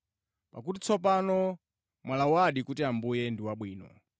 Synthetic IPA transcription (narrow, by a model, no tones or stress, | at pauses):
pakutit͡sʰɔp̬anɔ | mwalawaɗikutiambujɛndiwaɓwiːnɔ̰